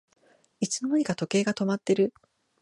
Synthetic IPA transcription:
it͡sɨmo̞moɲ̟ikat̪o̞ke̞ːɡat̪o̞mat̪ːe̞ɾɯ̟

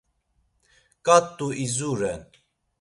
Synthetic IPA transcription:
kʼat̪ʼːuʔizuɾɛn

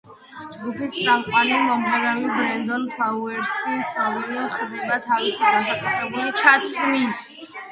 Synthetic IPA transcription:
d͡ʒɡupʰist̪sʼamqʼwanimɔmpʰɛɾalibɾɛnd̪ɔnpʰauɛɾsit̪sʰavɛlimχd̪ɛbat̪ʰavisiɡasakʼut̪ʰɾɛbulit͡ʃʰat̪sʰmis

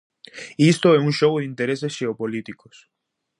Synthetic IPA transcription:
ist̪oɛũŋʃoɣoðĩnt̪eɾesesʃeopolit̪ikos

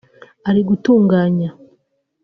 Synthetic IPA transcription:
aɾiɡutuːŋɡaːɲa

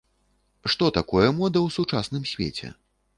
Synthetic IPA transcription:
ʂt̪ɔt̪akɔjɐmɔd̪ɐwsut͡ʂasnɨmsʲvʲḛt͡sʲɛ̰

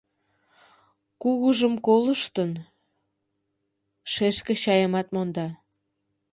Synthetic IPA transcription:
kuɣəʒəmkoləʃt̪ən | ʃeʃkeɕɑjəmɑt̪mond̪ɑ

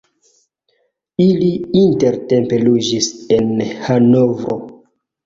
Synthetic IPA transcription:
iliinte̞ɾte̞mpe̞lud͡ʒise̞nhanovɾo

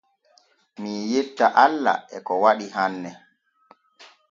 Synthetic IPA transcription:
mijetːaʔalːa̰ɛkɔwaɗiɦanːɛ

